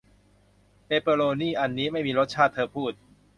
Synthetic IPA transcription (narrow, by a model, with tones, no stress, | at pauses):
pe˦˥˩pɤː˧ɾoː˧niː˥˩ʔa˧nːiː˦˥ma˥˩jmiː˧ɾo˦˥t̪̚t͡ɕʰaː˥˩t̪ʰːɤː˧pʰuː˥˩t̪̚